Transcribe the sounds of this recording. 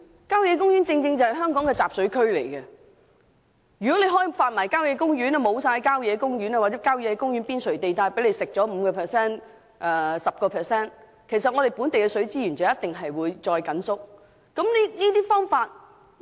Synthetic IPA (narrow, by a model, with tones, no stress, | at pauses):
kaː˥wjɛː˨˧kʊ˥ŋjyː˨˥nt͡sɪ˧ŋt͡sɪ˧ŋt͡sɐ˨whɐ˨jɦœː˥ŋkɔː˨˥ŋkɛː˧t͡saː˨˩p̚sɵ˨˥ɥkʰɵ˥ɥle˨˩jkɛ˧ | jy˨kɔ˨˥le˨˧jɦɔː˥jfaː˧n̚mɐː˨˩jkaː˥wjɛː˨˧˥k̬ʊ˥ŋjy˨˥nɛ˧mo˨˧wsaː˧˨jkaː˥wjɛː˨˧kʊ˥ŋjyː˨˥nɐ˧waː˨t̚t͡sɛː˨˥kaː˥wjɛː˨˧kɛ˧kʊ˥ŋjyː˨˥npiː˥nsɵ˨˩ɥt̪e˨jt̪aː˧jpe˨˥jle˨˧jsɪ˨k̚t͡sɔː˨˥m̩˨˧kɔː˧pʰɛː˨sɛː˥n | ʔɛː˨sɐ˨p̚kɔː˧pʰɛː˨˩sɛː˥n | kʰe˨˩sɐ˨t̚ŋɔ˨˧ɾe˨˩jpuː˨˥nt̪e˨jkɛ˧sɵ˨˥ɥt͡siː˥jyː˨˩nt͡sɐː˨˦jɐ˥t̪ɪ˨ŋɦɐ˨jwuː˨˧jt͡sɔː˧jkɐ˨˥nsʊ˥k̚ | kɐ˨˦˥mniː˥niː˥t̪iː˥fɔː˥ŋfaː˧t̚